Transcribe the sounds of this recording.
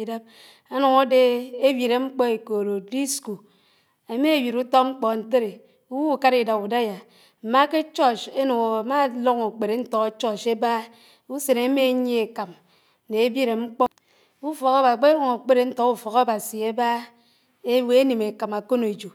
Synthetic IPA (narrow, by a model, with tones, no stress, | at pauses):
i˨da˦p̚ | a˦nɔ˨ŋo˦de˦e˦bji˨ɾe˨ŋ͡m̩˦k͡pɔ˦e˨ko˨ɾo˨di˦sko˨ | e˨me˦e˦˨bji˨ɾu˦tɔ˦k̚ŋ͡m̩˦k͡pɔ˨n̩˨˦te˦ɾe˨ | u˦wu˦u˨ka˦ɾi˨da˨bu˨da˦ja˨ | m̩˨ma˦ke˦t͡ʃɔ˦t͡ʃe˦no˨o˨a˨ma˦lo˦ŋo˨k͡pe˨ɾe˨n̩˦tɔ˨ka˦t͡ʃɔ˦t͡ʃe˦ba˦ | u˦se˨ne˨˦me˦˨˦ɲe˦e˨ka˨m˨ | ne˨e˦bji˦ɾe˨ŋ͡m̩˦k͡pɔ˦ | u˦fɔ˨ka˦ba˨k͡pe˦lo˦ŋo˨k͡pe˦ɾe˨n̩˦tɔ˨ku˦˨fɔ˨ka˦ba˨si˨e˦ba˦ | e˦we˦e˦ni˨me˨ka˨ma˨ko˦no˨e˨d͡ʒo˨